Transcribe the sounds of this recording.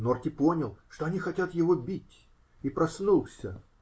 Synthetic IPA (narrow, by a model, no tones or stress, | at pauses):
nort̪ʲɪpo̞nʲɪlˠʂt̪oɐnʲixɐtʲat̪jɪvo̞bʲitʲ | ipɾɐsnulˠsʲə